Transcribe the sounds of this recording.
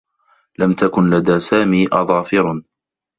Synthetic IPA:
lamt̪akʊnlad̪aːsaːmiːʔɑðˤɑːfɪɾ

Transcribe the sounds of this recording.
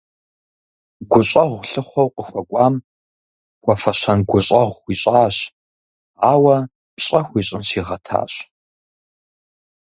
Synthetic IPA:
ɡʷʊɕʼɐʁʷɬɨχʷɔwqəxʷɐkʷʼaːm | kʷʼɔfɐɕɐnɡʷʊɕʼɐʁʷiːɕʼaːɕ | aːwɐ | pɕʼɐxʷiːɕʼɪnsiːʁɐtʰa̰ːɕ

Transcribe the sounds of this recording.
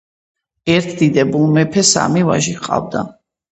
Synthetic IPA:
ɛɾt̪ʰd̪id̪ɛbulˠmɛpʰɛsa̰miva̰ʒiqʼa̰vd̪a̰

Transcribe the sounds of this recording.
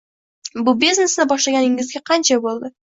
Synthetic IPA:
bʊbiznesnɪbɒʃlˠɑɡʲɑnɪŋɡʲɪzɡʲeqʰɑnt͡ʃabolˠd̪ə

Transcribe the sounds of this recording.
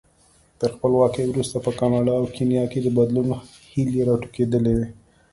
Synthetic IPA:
t̪əɾxpəlwɑkəjwɾust̪apəkɑnɑɖɑːwkʰenijɑked̪əbad̪luno | hiljeɾɑʈu̥ked̪əlewe

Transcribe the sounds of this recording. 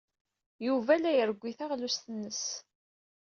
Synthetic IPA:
juvælæjəɾəɡʷːiθaʁlust̪ənːəs

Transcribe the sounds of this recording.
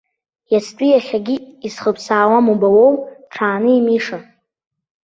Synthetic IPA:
jastʼijaχʲaɡʲiisχəpʰsaːwamubawowʈ͡ʂʰaːnɨimiʂa

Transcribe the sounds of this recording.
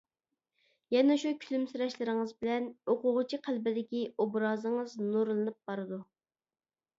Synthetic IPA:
jɛnɛʃukʲʰylymsɨɾɑʃlˠɨɾɨŋəzbɪlɛnoqʊʁʊt͡ʃʰiqʰælbɪd̪ɪkʲiobɾɑːzɨŋəznuɾlˠɨnɨp̚b̥ɑɾɨd̪u

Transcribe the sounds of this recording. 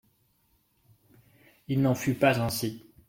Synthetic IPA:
ilnɑ̃fypazɛ̃si

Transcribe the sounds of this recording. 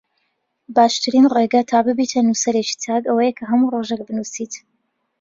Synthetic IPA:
baːʃt̪ɨɾinreːɡɐt̪ʰaːbɨbiːt̪ʰɐnusɐɾeːt͡ʃi̥t̪ʰaːkɐwɐjekʰɐɦɐmuroːʒek̚bɨnusit̪

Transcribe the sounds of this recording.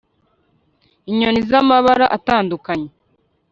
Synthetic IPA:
iɲonizamaβaɾaʔataːndukaɲe

